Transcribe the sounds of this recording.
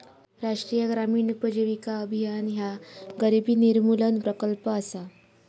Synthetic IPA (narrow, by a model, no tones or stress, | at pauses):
ɾaʂʈɾijəɡɾamiːɳpəd͡ʑeʋikaəbʱijanɦjaɡəɾibʱiːniɾmulənpɾəkəlpəːsa